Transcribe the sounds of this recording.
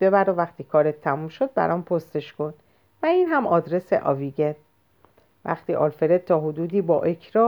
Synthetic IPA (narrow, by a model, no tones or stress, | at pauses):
b̥e̞bæɾovæχt̪ʰiːkʰɒːɾet̪ʰːæmumʃod̪̚bæ̰ɾɒːmpʰost̪e̞ʃkʰo̞n | væiːnɦæmɒːd̪ɾe̞sḛʔɒ̰viɡen | væ̰χt̪iːʔɒ̰ːlfeɾed̪̚t̪ʰɒːɦod̪uːd̪iːbɒːʔe̞kʰɾɒː